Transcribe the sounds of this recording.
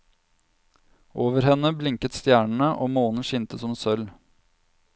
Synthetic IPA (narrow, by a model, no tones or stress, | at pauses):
ʔoːʋəɾhɛnːəblɪŋkət̪st̪jæːɳɳ̩əʔoːmoːnn̩ʃɪnt̪əsɔmsœl